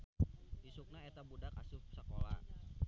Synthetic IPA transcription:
ʔisuk̚naet̪abudakasʊfsəkola̰

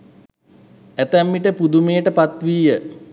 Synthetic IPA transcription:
æt̪æmːiʈəpud̪umejəʈəpat̪ʋiːjə

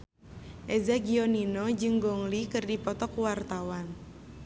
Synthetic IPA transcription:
ʔezaɡiɔninɔd͡ʒɨŋɡɔŋlikɨrdipɔt̪ɔkuwart̪awan

